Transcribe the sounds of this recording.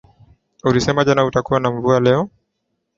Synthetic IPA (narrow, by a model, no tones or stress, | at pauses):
ulisɛmaʄanautakuwanaɱvualɛɔ